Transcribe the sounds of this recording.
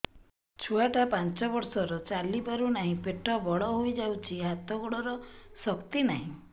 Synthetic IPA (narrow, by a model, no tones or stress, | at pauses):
t͡ʃʰuaʈapant͡ʃɔbɔɾsɔɾɔt͡ʃalipaɾunaɦĩpeʈʰɔbɔɭɔɦojd͡ʒawt͡ʃʰiɦat̪ɔɡɔɭɔɾɔsɔkt̪inaɦĩ